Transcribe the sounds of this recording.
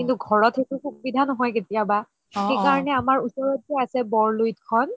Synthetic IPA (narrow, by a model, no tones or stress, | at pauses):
kintuɡʱɔɹɔtʰetukukubidʱanɔɦɔjketijaba | xejkaɹɔnɛamaɹusɔɹɔt̚zɛasɛbɔɹlujt̚kʰɔn